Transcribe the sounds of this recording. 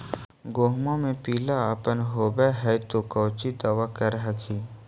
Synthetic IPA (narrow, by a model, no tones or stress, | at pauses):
ɡoːɦmamẽpiːlaəpənɦoːbɛɦɛt̪okəːt͡ʃid̪aːʋakəɾɦakiː